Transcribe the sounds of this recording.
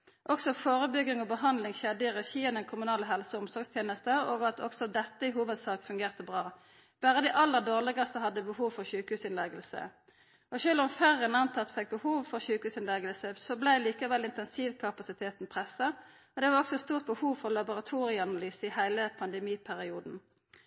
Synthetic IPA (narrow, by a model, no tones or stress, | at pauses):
ʔɔksɔfoːʁəbʏɡɪŋɔbəɦɑnd̪lɪŋʃɛd̪ɪʁɛçiːənəkʰʊmʉnɑːləɦɛlsɔʊmsɔɾɡst̪ʰjeːnəst̪əoːɡɑt̪ʰɔksɔd̪ɛt̪ːəɪɦuːʋəd̪sɑːkfʉŋɡeːʁt̪əbʁɑː | b̥æːʁəd̪æɪʔɑlːəʁd̪oːʁlɪɡɑst̪əhɑd̪ːəbəhuːʋfɔʁçʉːkhʉːsɪnlɛɡəlsə̰ | ɔʃøːlʊmfæʁənɑnt̪ʰɑt̪fɛk̚bəhuːʋfɔʁçʉːkəʉːsɪnlɛɡəlsəsɔblæɪliːkɑʋɛlɪnt̪ɛnsiːʋkʰɑpɑsɪt̪ʰeːt̪n̩pʰʁɛsɑ | ɔd̪ɛʋɑʁɔksɔst̪uːʁt̪̚bəhuːʋfɔʁlɑbʊʁɑt̪ʰuːʁɪəɑnɑlyːsəɪhæɪləpʰɑnd̪ɛmiːpʰæʁɪuːd̪n̩